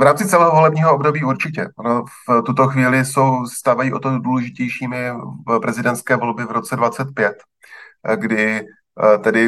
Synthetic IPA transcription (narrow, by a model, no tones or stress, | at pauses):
vɾaːmt͡sɪt͡sɛlɛːɦovo̞lɛbɲiːɦoobdo̞biːuɾt͡ʃɪcɛʔonoft̪ut̪o̞xviːlɪso̞wst̪aːvajiːʔot̪oduːlɛʒɪcɛjʃiːmɪpɾʔɛzɪdɛnt̪skɛːvo̞lbɪvɾo̞t͡sɛdvat͡sɛt̪̚pjɛt̪ | ɡdɪ | t̪ɛdɪ